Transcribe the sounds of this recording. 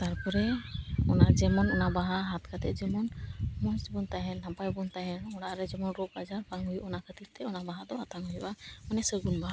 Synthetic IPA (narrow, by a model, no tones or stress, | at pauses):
t̪aɾpɔɾɛɔnaʔd͡ʒɛmɔnɔnabaɦaɦat̪kʰat̪ɛ̰ʔd͡ʒɛmɔnmɔsbɔnt̪aɦɛnhampajbɔnt̪aɦɛnɔɽaʔɾɛd͡ʒɛmɔnɾɔk̚bad͡ʒaɾbaŋɦujuʔɔnakət̪ip̚t̪ɛɔnabaɦad̪ɔat̪aŋɦujuʔamanɛsəɡunbaɦa